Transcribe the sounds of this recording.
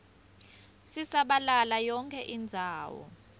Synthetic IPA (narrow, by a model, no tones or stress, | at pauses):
sisaɓalalajɔŋkʰʼɛʔind͡zʱaːwɔ̰